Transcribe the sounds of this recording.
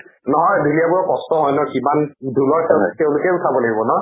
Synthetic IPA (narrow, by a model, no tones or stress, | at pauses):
nɔɦɔjdʱulijabuɹɔkɔstɔɦɔjnɔkimandʱulɔɹsɛstɛʊ̃lʊkɛʊtʰabɔlaɡibɔnɔ